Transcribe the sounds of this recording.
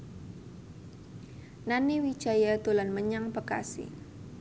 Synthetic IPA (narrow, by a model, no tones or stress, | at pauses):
naniwi̥t͡ʃajat̪ulanməɲaŋpəka̰sḭ